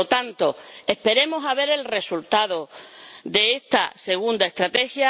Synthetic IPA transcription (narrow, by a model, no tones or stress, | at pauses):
ot̪ant̪oe̞hpe̞ɾe̞mo̞saβ̞e̞ɾe̞lre̞sult̪að̞oðe̞est̪ase̞ɣund̪ae̞st̪ɾat̪e̞xja